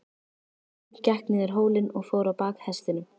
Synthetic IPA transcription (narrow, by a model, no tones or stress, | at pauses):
cɛhknɪðɛɾ̥ɦoːwlɪnɔɣfoːwɾawpaːkhɛst̪ɪnʏm